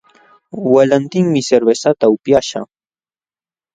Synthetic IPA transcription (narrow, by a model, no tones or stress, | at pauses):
walant̪ɪŋmɪseɾbesat̪aʊpjaʃa̰